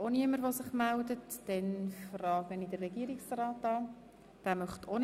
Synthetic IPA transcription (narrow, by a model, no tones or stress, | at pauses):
oniəməɾʋosɪχmældətd̥ɛnfrɑːɡənidərɛɡiəɾiksrɑːtɑː | d̥æːmœχtʰon